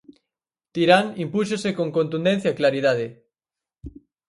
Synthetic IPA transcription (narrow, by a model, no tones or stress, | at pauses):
t̪iɾaŋimpuʃ̬osekoŋkont̪und̪enθjaklaɾiðaðe